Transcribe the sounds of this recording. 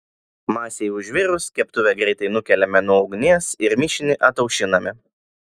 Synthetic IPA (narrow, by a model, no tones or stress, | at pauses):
mɑːsʲeɪʊʒʲʋʲɪɾʊskʲɛpt̪ʊʋʲɛɡɾʲɛɪt̪ɐɪnʊkʲɛlʲɛmʲɛnʊɒʊɡnʲiɛsɪɾmʲɪʃʲɪnʲɪʔɐt̪ɐʊkʃʲɪnɐmʲɪ